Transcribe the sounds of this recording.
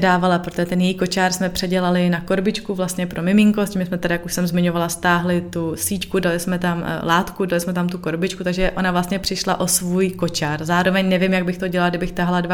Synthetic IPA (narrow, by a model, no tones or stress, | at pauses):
daːvalapɾot̪oʒɛt̪ɛnjɛjiko̞t͡ʃaːɾsmɛpr̝̥ɛɟɛlalɪnako̞ɾbɪt͡ʃkuvlast̪ɲɛpɾʔo̞mɪmɪŋkoscimɪsmɛt̪ɛdajakuʃsɛmzmɪɲovalast̪aːɦlɪt̪usiːckudalɪsmɛt̪amlaːt̪kudalɪsmɛt̪amt̪uko̞ɾbɪt͡ʃkut̪aɡʒɛʔonavlast̪ɲɛpr̥ɪʃlaʔo̞svuːjko̞t͡ʃaɾzaːɾo̞vɛɲnɛvjɪmjaɡ̚bɪxt̪o̞ɟɛlaladɪbɪxt̪aɦaladva